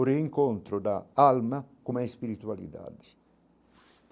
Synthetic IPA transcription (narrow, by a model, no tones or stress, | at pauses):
ɾeiŋkont̪ɾod̪aalmakumɛispiɾit̪ualḭd̪a̰d̪i | t̪